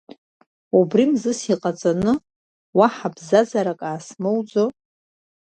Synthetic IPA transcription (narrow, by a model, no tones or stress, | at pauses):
ubrimzɨsiqʼat͡sʼanɨ | waħabzazaɾakʼaːsmɨwd͡zo